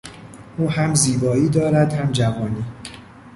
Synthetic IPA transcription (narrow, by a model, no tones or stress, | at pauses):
ʔuːɦæmziːbɒːiːd̪ɒːɾæd̪hæmd͡ʒævɒːniː